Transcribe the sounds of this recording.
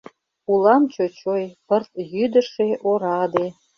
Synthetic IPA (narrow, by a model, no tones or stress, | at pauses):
ulɑmt͡ɕot͡ɕojpərt̪̚jyd̪ə̆ʃeʔoɾɑd̪e